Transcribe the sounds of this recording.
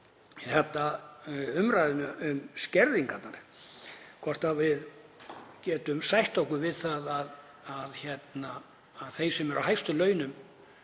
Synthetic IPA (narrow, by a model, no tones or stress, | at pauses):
iθɛht̪ːa | ʏmɾajðɪnʏʏmscɛɾðiŋkat̪naɾ̥ | kʰɔr̥t̪avɪð | cɛːt̪ʏmsajht̪owhkʏvɪðθaðað | aðçjɛt̪naː | ðθejsɛmɛɾʔawɦajst̪ʏlœːɥnʏm